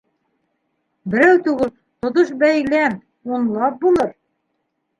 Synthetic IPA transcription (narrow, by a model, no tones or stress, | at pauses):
bɘ̆ɾæwt̪ʉɡɘl | t̪ŏt̪oʃbæjlæn | unlˠɑp̚bulˠɤɾ